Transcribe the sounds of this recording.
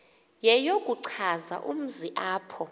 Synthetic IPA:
jɛjokʼuǀʰaza̰ʔṵm̩ziʔaːpʰɔ

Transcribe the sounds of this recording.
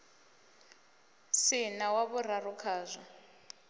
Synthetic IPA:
sɪnawaβʊrarʊkʰaːzʷa

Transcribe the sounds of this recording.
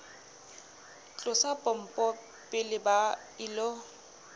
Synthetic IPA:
t͡ɬʼʊsapʼɔm̩pʼɔ | pʼɪlɪba | ɪlo

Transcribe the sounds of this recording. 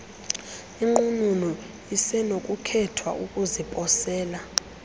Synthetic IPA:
iŋ͡ǃununɔ | isɛnokʼukʰɛtʰwa̰ʔukʼuzipʼɔsɛːla

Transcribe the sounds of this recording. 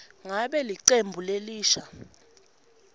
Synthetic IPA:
ŋaɓɛliǀembʱuleliːʃa

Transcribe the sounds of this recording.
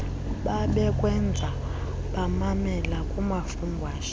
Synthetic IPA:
ɓaɓɛkʼwɛnd͡zʱa | ɓamamɛlakʼumafumbʱwaːʃ

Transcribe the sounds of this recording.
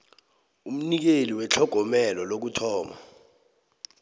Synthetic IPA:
um̩nik̬eliwɛt͡ɬʰɔɡ̥ʱɔmɛlɔlok̬utʰɔːma̰

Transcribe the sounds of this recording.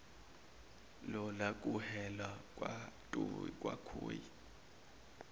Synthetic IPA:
lɔlak̬ʼuhɛlwakʼwatʼukʼwa̰kʰo̰ːji

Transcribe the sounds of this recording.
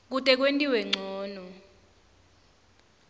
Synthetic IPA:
k̬utʼɛk̬wentʼiwɛŋ͡ǀʱɔːnɔ

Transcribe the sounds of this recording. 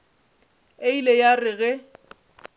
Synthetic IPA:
eilejarɪɣɛ

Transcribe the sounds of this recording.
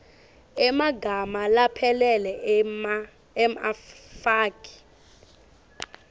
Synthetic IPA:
ɛmaɡʱamalapʰɛlɛlɛ | mfaːkʰʼi̥

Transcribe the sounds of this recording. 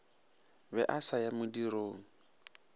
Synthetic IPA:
bɛʔasajamʊdiɾoːŋ̩

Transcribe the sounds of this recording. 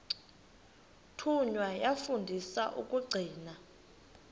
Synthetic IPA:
tʰuɲwajafundʱisaʔṵk̬ʼuɡ͡ǀʱiːna

